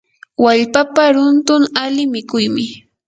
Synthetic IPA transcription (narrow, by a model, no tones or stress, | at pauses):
waʎpapaɾʊnt̪ʊŋalɪmɪkʊjmɪ